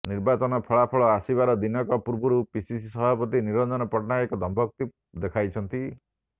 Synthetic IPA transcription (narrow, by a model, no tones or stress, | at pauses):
niɾbat͡ʃɔnɔpʰɔɭapʰɔɭɔasibaɾɔd̪inɔkɔpuɾbuɾupisisisɔbʱapɔt̪iniɾɔnd͡ʒɔnɔpɔʈnaekɔd̪ʱɔmbʱɔk̚t̪i | d̪ekʰajt͡ʃʰɔnt̪i